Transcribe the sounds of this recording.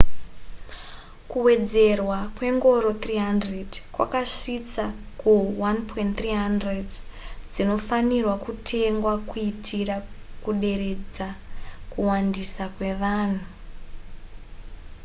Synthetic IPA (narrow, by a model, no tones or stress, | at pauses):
kuwe̞d͡ze̞rwakwe̞ŋɡo̞ɾot̪riɦandredkwa̰kaʂit͡sa | kuwanpʰointt̪riɦandredd͡zino̞fanirwakutʰe̞ŋɡwakuitʰira | kuɗe̞ɾe̞d͡zakuwandisakwe̞ʋaːn̤u